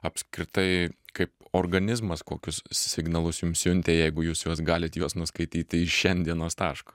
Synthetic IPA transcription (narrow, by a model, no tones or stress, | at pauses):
ɐpsʲkɾʲɪt̪ɐɪkɐɪpoːrɡɐnʲɪzmɐskoːkʲʊssʲɪɡnɐlˠʊsjʊmsjʲʊnʲt̪ʲeːjɛɪɡʊjuːsjuɔsɡɑːlʲɪt̪juɔsnʊskɐɪt̪ʲiːt̪ʲɪɪʃʲɛnʲd̪ʲiɛnoːst̪ɑːʃkɐ